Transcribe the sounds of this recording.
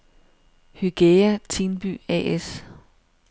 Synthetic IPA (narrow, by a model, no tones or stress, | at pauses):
hyɡ̥eæt͡sʰiːnb̥y̰ɛ̰es